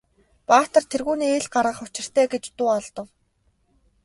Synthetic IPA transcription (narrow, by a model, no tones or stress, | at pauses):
paːt̪ə̆rt̪ʰerɣuːniːeɮɢaɾʁə̆χʊt͡ɕɪ̆r̥t̪ʰæːɡet͡ɕt̪uːɔɮt̪ɞ̆w